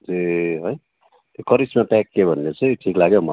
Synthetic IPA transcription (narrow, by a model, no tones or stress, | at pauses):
d͡zeɦoj | t̪jokʌɾismapakːebʱʌnːet͡sʰʌjʈʰiklaɡjomʌ